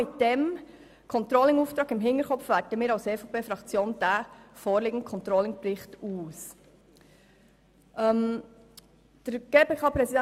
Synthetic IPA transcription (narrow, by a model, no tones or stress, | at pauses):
ɪtd̥ɛm | kʰɔnt̪ɾɔlɪŋuːftɾɑːɡɪmɦɪntəɾkʰɔpʋæːtəmiːɾɑʊseːfopeːfɾɑkt͡sjoːnd̥æfoːɾliːɡən̩t̚kʰɔnt̪ɾɔlɪŋpɾɪχtuːs | ʔɛm | d̥əɾɡ̥eːpeːkʰɑːpɾɛsidɛ